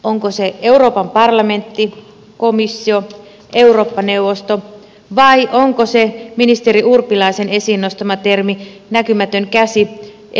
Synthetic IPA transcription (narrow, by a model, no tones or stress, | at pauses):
oŋkoseeuro̞ːpɑmpɑrlɑme̞nt̪ːi | komisːio | euroːpːɑnewʋost̪o | ʋɑiʔoŋkoseminist̪eɾiʔurpilɑisenesiːnːost̪ɑmɑt̪erminækymæt̪øŋkæsi